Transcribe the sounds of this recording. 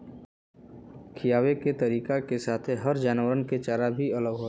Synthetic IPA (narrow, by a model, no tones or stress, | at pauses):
kʰijaːweket̪ɐɾiːkakesaːt̪ʰeɦɐɾd͡ʒaːnwəɾənket͡ʃaːɾabʱiɐləɡɦoːt̪